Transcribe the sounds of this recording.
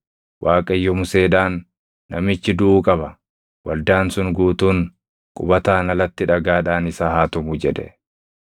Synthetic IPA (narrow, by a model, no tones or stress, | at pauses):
wʔaːkʼɐjːɔmʊse̞ːd̪aːnː | ɐmɪt͡ʃːɪd̪ʊʔuːkʼɐbɐ | wʔɐld̪aːnsʊnɡuːt̪uːn | kʼʊbɐt̪aːnɐlɐt̪ːɪᶑɐɡaːᶑaːnɪsaːhaːt̪ʊmʊːd͡ʒɛᶑ̪ɛ̰